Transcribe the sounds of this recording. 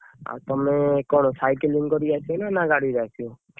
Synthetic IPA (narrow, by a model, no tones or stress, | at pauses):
a̰t̪ɔmekɔɳ̃ɔsajkeliŋkɔɾiat͡ʃʰɔnanaɡaɽid͡ʒat͡ʃʰio